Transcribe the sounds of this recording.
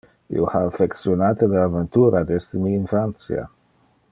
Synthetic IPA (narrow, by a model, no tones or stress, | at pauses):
ḭohaafeksjonaːt̪eləavent̪uːɾad̪ɛst̪əmiːnfɾant̪sj̰a̰